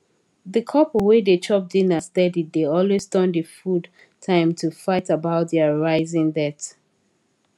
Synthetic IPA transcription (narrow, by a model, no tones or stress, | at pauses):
ðəkʰɔpəwedet͡ʃʰɔp̚dinəstɛdidðeɔlwesdɔ̃ndəfud | tʰãɪ̃mtʰufaɪtəbaʊt̚ðɛəɹaɪzɪ̃ŋdɛt